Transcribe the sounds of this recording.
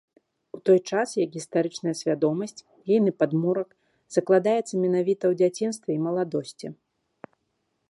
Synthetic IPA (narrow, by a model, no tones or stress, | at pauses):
ut̪ɔjt͡ʂasjakɣʲist̪aɾɨt͡ʂnɐjɐsʲvʲad̪ɔmɐsʲt͡sʲ | jɛjnɨpad̪muɾɐk | z̥ɐklˠad̪ajɛt̪sːɐmʲɛnavʲit̪ɐwd͡zʲat͡sʲin̪st̪vʲɛimɐlˠad̪ɔsʲt͡sʲi